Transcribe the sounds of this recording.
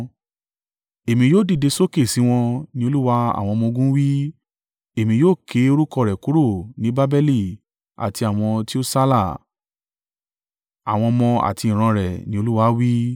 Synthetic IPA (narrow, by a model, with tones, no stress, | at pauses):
e˨mĩ˧joː˦˨di˦˨de˧so˦ke˦˨si˨˦w̃ɔ̃˧nĩ˦o˧lu˦wa˧a̰˨w̃ɔ̃˧mɔ̃˧ɡũ˦wi˦ | e˨mĩ˧joː˦˨kʰe˨˦o˧ɾu˦kɔ˧˨ɾɛ˨ku˨˦ɾo˦˨nĩ˨˦ba˦bɛ˦li˦˨ | a̰˨ti˧a˨w̃ɔ̃˧ti˦o˦sa˦la˦˨ | a˨w̃ɔ̃˧mɔ̃˧a̰˨ti˧ĩ˨ɾ̃ã˧ɾɛ˨nĩ˦o˧lu˦wa˧˦wi˦